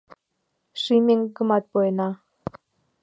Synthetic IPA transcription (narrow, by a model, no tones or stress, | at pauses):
ʃimeŋɡə̆mɑt̪̚pojənɑ